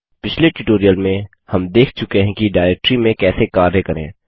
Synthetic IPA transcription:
pɪt͡ʃʰleʈʊʈoːɾijəlmẽ | hɐmd̪eːkʰt͡ʃʊkeɦɛ̃kiɖaːɪɾeːk̚ʈɾimẽkɛːsekaːɾɦɛkɐɾḛ̃ː

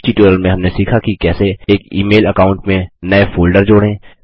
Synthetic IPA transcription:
t͡ʃiʈoːɾəlmẽɦɐmnesiːkʰakikɛːseeːkḭːmeːləkaːʊ̃ɳʈmẽnɐefoːlɖəɾd͡ʒoːɽẽ

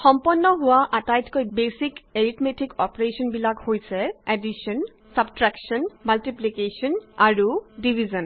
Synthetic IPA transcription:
xɔmpɔnːɔɦʊwaʔatajtkojbesikeɹitmetikɔpɹesɔnbilakhojsɛɛdisɔn | sabtɹaksɔnmaltiplikesɔnaɹudibʱizɔn

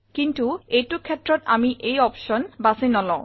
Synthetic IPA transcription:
kint̪uejtukʰɛt̪ːɾot̪a̰miʔejɔpʃonbasenɔlɔ

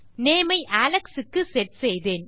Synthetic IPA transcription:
neːmɐɪʔaːlɐksɯkːɯsɛʈ̚sɛjðeːn

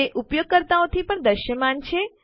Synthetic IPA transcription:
eʔupjoɡ̚kəɾt̪aõt̪ʰipəɳd̪əʃjəmant͡ʃʰe

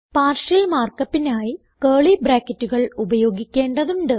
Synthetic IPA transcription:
paːrʂɐlmaːrkɐpːinaːji | keːɭibɾaːkːɐtːuɣɐɭubɐjo̞ːɡikʲːe̞ːɳɖɐðuɳɖɨ

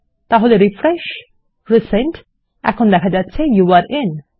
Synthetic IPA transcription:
t̪aɦoleɾifɾɛʃ | ɾɪsẽnt | ɛ̰kʰond̪ɛkʰad͡ʑatːt͡ɕʰejuaɾɪn

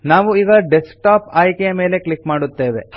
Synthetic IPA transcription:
naːʋuiːɡɐɖesk̚ʈaːpaːjkɛjɐmeːle̞klikmaːɽut̪ːe̞ːʋe

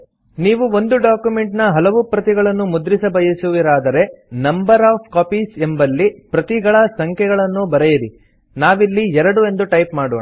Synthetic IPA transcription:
niːʋuo̞nd̪uɖaːkjume̞ɳʈnɐɦɐlɐʋupɾɐt̪iɡɐɭɐnːumud̪ɾisɐbɐjɐsuʋiɾaːd̪ɐɾe̞nɐmbɐɾaːpkaːpisembɐlːipɾɐt̪iɡɐɭɐsɐŋkʰɛɡɐɭɐnːubɐɾejiɾḭ | naːʋilːiɛɾɐɽue̞nd̪uʈɐjpmaːɽɔːɳa

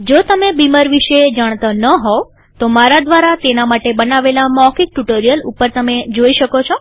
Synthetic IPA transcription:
d͡ʒot̪əmebimaɾʋiʃed͡ʒaɳ̃t̪anəɦo | t̪omaɾad̪ʋaɾat̪enamaʈebənaʋelamɔkik̚ʈuʈəɾijəlṵpəɾt̪əmed͡ʒoiʃəkot͡ʃʰo

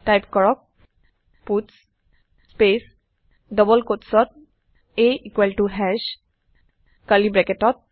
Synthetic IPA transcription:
ʈajpkɔɹɔk̚ | puts | spes | dɔbɔlkotsɔt̪̚ | eikwalʈuɦɛʃ | kalibɹɛketɔt̪̚

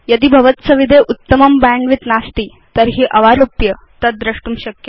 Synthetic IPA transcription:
jəd̪iːbʱɐʋət̪səʋid̪ʱeʔut̪ːəmɐmbaɳɖʋit̪nast̪iː | t̪əɾɦiːʔɐʋaɾupjə | t̪əd̪ɾəʂʈumɕəkjə

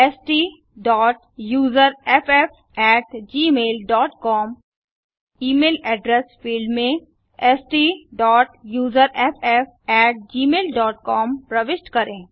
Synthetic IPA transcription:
ɛsʈiː | ɖɔːʈ | juːzəɾɛpʰɛf | ɛːʈd͡ʒiːmeːlɖɔːʈkɔːm | iːmeːlɛːɖɾɛsfiːɖmẽ | ɛsʈiːɖɔːʈjuːzəɾɛpʰɛf | ɛːʈ̚d͡ʒiːmeːlɖɔːʈ̚kɔːmpɾɐʋɪʃʈkɐɾẽː

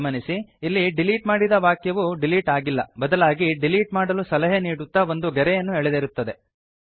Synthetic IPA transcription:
mɐnisiilːiɖiliːʈmaːɽid̪ɐʋaːkjɐʋuɖiliːʈaːɡilːɐbɐd̪ɐlaːɡiɖiliːʈmaːɽɐlusɐlɐɦeniːɽut̪ːɐo̞nd̪uɡɛɾɛjɐnːuɛɭed̪eɾut̪ːɐd̪e

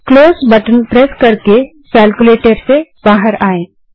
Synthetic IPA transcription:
kloːsbəʈənpɾɛskɐɾke | kɛːlkuleːʈəɾseb̥aːɦəɾaːẽː

